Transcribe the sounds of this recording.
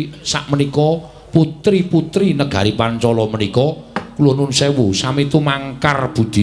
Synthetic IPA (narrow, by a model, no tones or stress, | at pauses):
sa̰ʔmənikɔ | put̪ɾiput̪ɾinəɡ̥a̤̰ɾipant͡ʃɔlɔmənikɔkulonʊnsewusamit̪umaŋkarb̥ṳd̪̥i